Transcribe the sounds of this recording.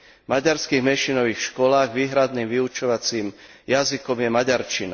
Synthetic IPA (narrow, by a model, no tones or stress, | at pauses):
maɟaɾskiːɣmɛʃinɔʋiːxʃkɔlaːɣʋiːɦɾad̪niːmʋiut͡ʃɔʋat͡siːmjazikɔmjɛmaɟaɾt͡ʃina